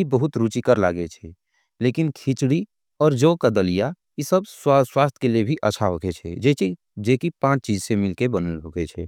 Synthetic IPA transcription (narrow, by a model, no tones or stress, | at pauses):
ibəɦʊt̪ɾuːt͡ʃikəɾla̰ːɡet͡ʃʰɛ | leːkɪnkʰit͡ʃɽi | ɔːɾd͡ʒoːkad̪əlija | jesəbsswaːst̪ʰkeliebʱiʔəːʃʰaɦokʰet͡ʃʰɛ̰e | d͡ʒeːkipãːt͡ʃt͡ʃiːd͡ʒsemɪlkebənəlɦoɡet͡ʃʰɛ̰ː